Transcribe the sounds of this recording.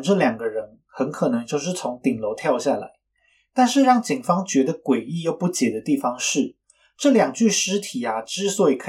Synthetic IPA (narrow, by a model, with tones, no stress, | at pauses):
ʈ͡ʂɤ˥˩ljɑ˨˩ŋɡə˧˦ɻə˧˦n | xə˧˦˥nkʰɤ˨˩nɤ˧˥ŋt͡ɕjo˥˧ʊʂ̬ɻ̩˥˩t͡sʰʊ˧˥ŋt̪i˨˩ŋlo˧˥ʊt̪ʰjɑ˥˧ʊɕja˥˩la̰˧˥ɪ | t̪a˥˧nʂɻ̩˥˧ɻɑ˥˩ŋt͡ɕi˨˩ŋfɑ˥ŋt͡ɕɥɛ˧˥d̪ə˧kwe˨˩ɪi˥˧jo˥˩ʊpu˥˩t͡ɕjɛ˨˩d̪ə˦t̪i˥˩fɑ˧˥ŋʂɻ̩˥˩ | ʈ͡ʂɤ˥˩ljɑ˨˩ŋt͡ɕy˥˩ʂɻ̩˧˥t̪ʰi˨˩a˦ʈ͡ʂɻ̩˥swɔ˧˥i˨˩kʰɤ˧˥